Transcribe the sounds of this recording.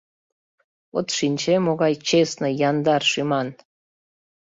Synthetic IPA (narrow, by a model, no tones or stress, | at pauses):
ot̪ʃinʲt͡ɕemoɣɑjt͡ɕesnɤ̆jɑnd̪ɑrʃymɑn